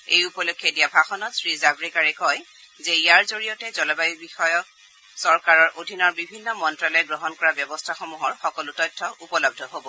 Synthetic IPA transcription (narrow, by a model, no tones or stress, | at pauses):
ejupɔlokʰːjɔdijabʱaxɔnɔtsɹizabɹikaɹɛkɔj | zɛijaɹzoɹijɔtɛzɔlɔbajibixɔjɔk̚ | sɔɹkaɹɔɹʔodʱinɔɹbibʱinːɔmɔntɹalɔjɛɡɹɔɦɔnkɔɹabjɔbɔstʰaxomuɦɔɹxɔkɔlʊtɔjtʰːɔʔupɔlɔb̚dʱɔɦobɔ